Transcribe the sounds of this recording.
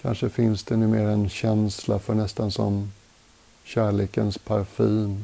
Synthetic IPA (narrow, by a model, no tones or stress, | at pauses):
kʰa̰nʂəfɪnsd̪ɛnʉ̟ːmeːɾaɛnɕɛnslafœɳɛst̪ansɔ̰m | ɕæːɭeːkənspʰaɾfiːm